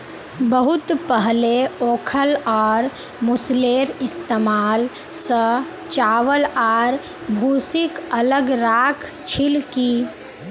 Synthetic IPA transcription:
bəɦʊt̪pəɦleoːkʰəlɔːɾ | mʊsleːɾɪst̪eːmaːl | sə | t͡ʃaːʋəlaːɾ | bʱuːsɪkələɡɾaːkʰ | t͡ʃʰɪlkiː

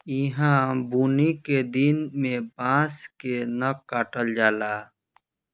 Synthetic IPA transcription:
ɪɦãbuːniked̪ɪnmẽbãːskenəkaːʈəld͡ʒaːlaː

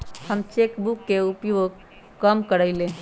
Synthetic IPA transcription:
həmt͡ʃekbukːeupjoɡ̚ | kəmkəɾəɪlẽ

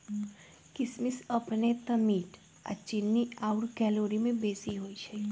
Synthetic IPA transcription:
kɪsmɪsɐpnet̪ɐmiːʈ | a̰t͡ʃɪnːiaːʊʈkɛːloːɾimẽbeːsiɦoːit͡ʃʰɐi

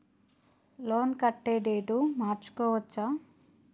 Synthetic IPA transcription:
loːnkɐʈːeːɖeːʈumaːɾt͡ʃu̥kɔːʋɐt͡ʃːa

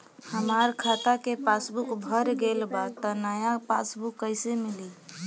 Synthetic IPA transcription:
həmaɾkʰat̪akepasbukbʱəɾɡelbat̪ɔnajapasbukːəɪsemili

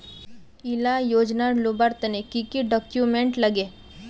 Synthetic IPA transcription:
ilajod͡ʑnaɾlubaɾt̪ənekikiɖɔkjumeɳʈlaɡe

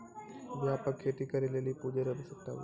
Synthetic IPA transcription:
ʋjaːpəkʰːeːʈ̪ikɐɾelelipuːd͡ʒeɾɐbisɐk̚t̪a̰ɦṵ

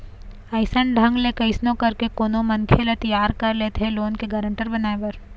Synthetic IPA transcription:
ɐɪsəɳɖʱɐ̃ŋɡlekɐɪsnõkɐɾkekoːnomɐnkʰelet̪ɐjaːɾkɐɾleːt̪eloːnkeɡɐːɾə̃ɳʈəɾbɐnaːepɐɾ

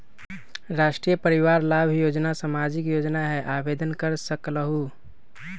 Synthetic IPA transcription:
ɾasʈɾijəpəɾiʋaɾlabʱjod͡ʒnasamad͡ʒikjod͡ʒnaɦɛʔabed̪ənkəɾsəkləɦu

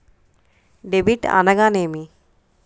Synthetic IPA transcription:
ɖebiʈa̰nɐɡaːnemi

